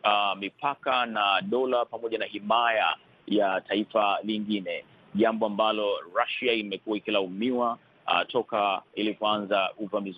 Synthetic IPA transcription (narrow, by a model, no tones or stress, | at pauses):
amipakanaɗɔlapamɔʄanahimaja̰ | jataifaliŋɡinɛ | ʄambɔambalɔɹaʃiaimɛkuwaikilaumiwa̰ | tʰɔkailikuanzaʔuvamiz